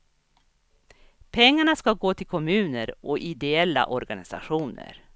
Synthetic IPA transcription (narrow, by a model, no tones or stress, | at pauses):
pʰɛŋːaɳaskaɡoːt̪ʰɪlkʰɔmʉ̟ːnəɾʔɔʔɪd̪ɛɛlːa̰ʔɔɾɡanɪ̰sa̰ɧuːnə̰ɾ